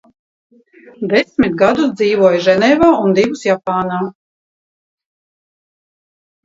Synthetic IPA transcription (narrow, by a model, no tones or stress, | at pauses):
d̪ɛsʲmit̪̚ɡad̪usd̪ziːʋuɔjʒɛnɛːvaːund̪ivusjapaːnaː